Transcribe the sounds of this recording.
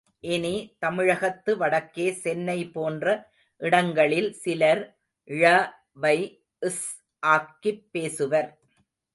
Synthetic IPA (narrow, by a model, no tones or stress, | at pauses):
ʔɪnit̪ɐmɪɻɐɣɐt̪ːɯʋɐɽɐkːeːsɛnːɐɪpoːndrɐ | ʔɪɽɐŋɡɐɭɪlsɪlɐɾ | ʔɪɻɐ | ʋɐɪ | ɪs | ʔaːkːɪpːeːsɯʋɐɾ